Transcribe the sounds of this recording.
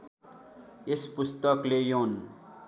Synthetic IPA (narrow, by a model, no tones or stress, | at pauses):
espust̪əklejoːn